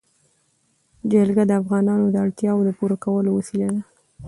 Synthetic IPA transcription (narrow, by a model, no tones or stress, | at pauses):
d͡ʒalɡad̪əafɣɑnɑnod̪əaɽt̪jɑwod̪əpuɾakawəlowəsilad̪a